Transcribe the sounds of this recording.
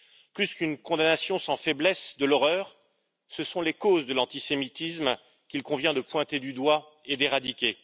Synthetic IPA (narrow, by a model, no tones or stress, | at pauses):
plyskynkɔ̃d̪anasjɔ̃sɑ̃fɛblɛsd̪əlɔʁœːʁ | səsɔ̃lekozd̪əlɑ̃t̪isemit̪ism | kʲilkɔ̃vjɛ̃d̪əpwɛ̃t̪ed̪yd̪wa | ed̪eʁad̪ikʲe